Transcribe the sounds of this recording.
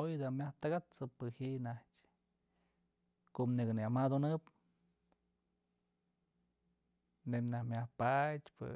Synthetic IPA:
ojd̪amʲaht̪ɨɡat͡sɨpɨhinahtʲ | koʔniɡɨniamad̪onɨp | nemʲnahmʲahpatʲpɨ̰

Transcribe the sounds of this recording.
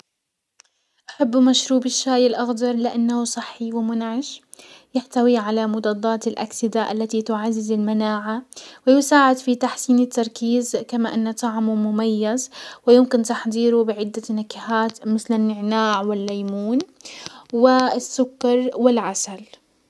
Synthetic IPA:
ʔaħabːmaʃɾuːbɪʃːaːjɪlʔɑɣd̪ɑɾˤlɪʔanːahusˤɨħːiwɪmʊnʕɪʃ | jɪħt̪awiʕalamʊd̪ɑd̪ˤːɑːt̪ɪlʔa̰ksɪd̪aʔa̰lːat̪it̪ʊʕazːɪzɪlmanaːʕawɪjɪsaːʕɪd̪fit̪aħsiːnɪt̪ːɑɾˤkiːzkamaʔɪnːat̪ˤɑʕmumʊmajːazwɪjɪmkɪnt̪aħd̪ˤiːɾʊbɪʕɪd̪ːanakɪhaːt̪mɪθlɪnːɪʕnaːʕwɪlːajmuːn | wɪsːʊkːɑɾˤwɪlʕasal

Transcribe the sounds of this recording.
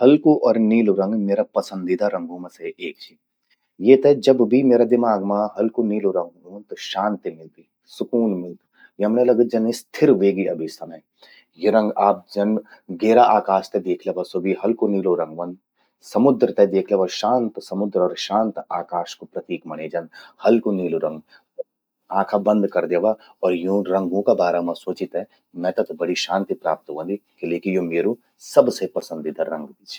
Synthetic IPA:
hɐlkoʔɔːɾniːloɾɐ̃ŋɡmeːɾapɐsə̃nd̪id̪aɾɐ̃ŋɡoːmɐseʔeːk̚t͡ʃʰi | jeːt̪ɛd͡ʒɐbbʱimeːɾad̪ɪmaːɡmãɦɐlkoniːloɾɐ̃ŋɡoːnt̪oʃãːnt̪imɪlb̪ʱi | sʊkuːnmɪl | jeɦɐmnelɐɡət̪̚d͡ʒɐnest̪ʰɪɾʋeːɡiɐbʱisɐmɛ | jeɾɐ̃ŋɡaːp̚d͡ʒɐnɡeːɾaʔaːkaːʃt̪ed̪eːkʰleʋɐsobʱiɦɐlkoniːloɾɐ̃ŋɡʋɐ̃n | sɐmʊd̪ɾət̪ed̪eːkʰleʋaʃãːnt̪sɐmʊd̪ɾɔːɾʃãːnt̪aːkaːʃkopɾɐt̪iːkmɐñeːd͡ʒɐnhɐlkoniːloɾɐ̃ŋɡ | aːkʰabɐ̃nd̪ʱkɐɾd̪eːʋa | ɔːɾjũɾɐ̃ŋɡõkabaːɾamãsoːt͡ʃɪt̪ɦɛ̃ | mɛ̃t̪ɐt̪bɐɽiʃãːnt̪ipɾaːp̚t̪ʋɐ̃nd̪ikeleːkijõmeːɾu | sɐbsepɐsə̃nd̪id̪ʱɐɾɾɐ̃ŋɡbit͡ʃʰ

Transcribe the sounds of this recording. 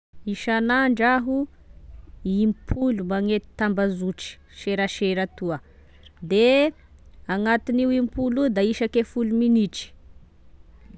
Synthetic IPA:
iʃanaɳɖ͡ʐaɦu | impʰulumaŋet̪i̥t̪ambazuʈ͡ʂi̥ | ʃeɾaʃeɾat̪uə | d̪e | aŋat̪iniwimpulud̪aiʃakefuluminiʈ͡ʂi̥

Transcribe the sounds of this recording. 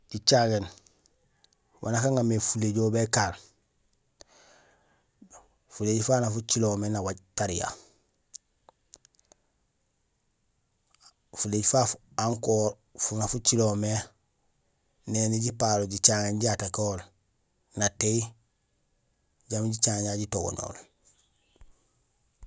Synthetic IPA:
ɟit͡ʃaŋen | wʔa̰nakaŋamefuleɟoːbekal | fuleːɟifanafut͡ʃilomenawaɟtaɾija̰ | fuleːɟifaf | aŋkoːɾ | funafut͡ʃilome | neːniɟipaːloɟit͡ʃaːŋeɲɟiatakoːl | natei | ɟamɟit͡ʃaŋjaɟitoɡo̰no̰ːl

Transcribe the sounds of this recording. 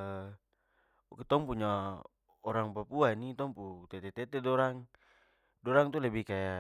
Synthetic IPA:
okɛt̪ɔŋpuɲa | oɾaŋpapuanit̪ɔŋput̪ɛt̪ɛt̪ɛt̪ɛdɔɾaŋ | dɔɾaŋt̪ulɛbihkaja

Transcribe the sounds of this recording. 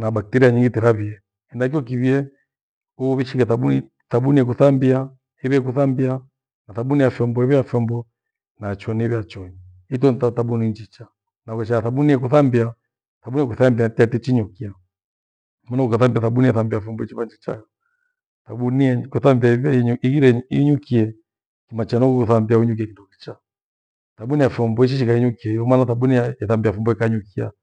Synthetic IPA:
naɓak̚tɛɾiaɲiŋɡitɛɾaβiɛ | ɛndak̬iɔk̬iβiɛ | uβiʃiŋɡaθaɓu | θaɓuniɛk̬uθambia | hiβɛɛk̬uθambia | naθaɓuniafjɔmbɔiβɛjafjɔmbɔ | nat͡ʃɔniβjat͡ʃɔni | it̬ɔntataɓuniɲd͡ʒit͡ʃa | nakɛʃaaθaɓuniɛkuθambia | θaɓuniɛkuθambiatatɛt͡ʃiɲukia | mɔnakukaθambiaθaɓuniaθambiafɔmbɔit͡ʃiβand͡ʒit͡ʃa̰jɔ | θaɓuniɛkuθambiaiɣiɾɛiɲukiɛ | kimat͡ʃanɔkukuθambiauɲuk̬iakindɔkit͡ʃa | taɓuniafɔmbɔiʃ̬iʃikaiɲukiaiɔmanaθaɓuniaaθambiafɔmbɔikaɲukia̰

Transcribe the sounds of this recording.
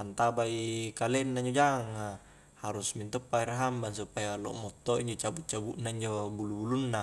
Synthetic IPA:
ant̪abaikalɛnːaiɲd͡ʒod͡ʒaŋa | haɾusmint̪ɔpːaiɾaɦambansupajalo̰ʔmɔt̪ːoiɲd͡ʒot͡ʃabuʔ̚t͡ʃabuʔnaiɲd͡ʒobulubulunːa

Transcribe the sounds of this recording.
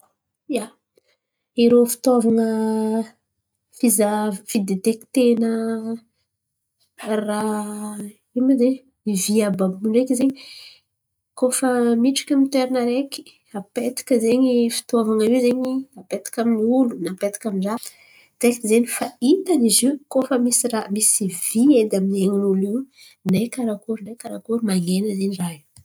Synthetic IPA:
ja | iɾofi̥t̪ovaŋə | fizafid̪et̪eki̥t̪enə | ra | imad̪e | iviabamuɳɖ͡ʐekizeɲi | kofəmiʈ͡ʂḁkʲamit̪eɾinəɾeki̥ | apet̪i̥kʲəzeɲifi̥t̪ovaŋaiwzeɲiapet̪i̥kʲaminulunapet̪i̥kʲamiɖ͡ʐa | t̪ekizenifait̪aniziwkofəmisiramisivied̪amineŋinuli | nejkaɾakuɾnejkaɾakuɾumaŋenəzeɲiraɦi

